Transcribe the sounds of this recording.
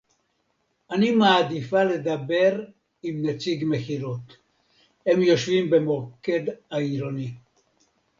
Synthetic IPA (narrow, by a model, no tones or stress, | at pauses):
animaːd̪ifale̞d̪abe̞ʁ | imnet͡siɡmeχiʁot̪ | hemjo̞ʃvimbe̞mo̞ke̞d̪aiɾoni